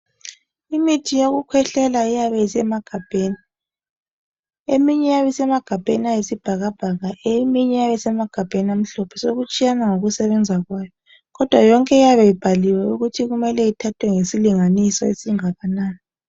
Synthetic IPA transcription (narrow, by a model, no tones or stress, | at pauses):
imitʰijoɣukʰwɛɬɛlaijaβɛisɛmaɡ̥ʱab̥ʱeːni | emiɲɛjaβisɛmaɡ̥ʱab̥ʱḛniajesib̥ʱaɣab̥ʱaɣaʔemiɲɛjaβɛsɛmaɡ̥ʱab̥ʱeniam̩ɬɔpʰɛ̥soɣut͡ʃʼijanaŋoɣusɛβɛnd͡zʱaɣwaːjɔ | ɣɔd̥ʱwajɔŋkʼɛijaβɛib̥ʱaliwɛuɣutʰiɣumɛlɛitʰatʰwɛŋesiliŋanisɔesiŋaɣanaːni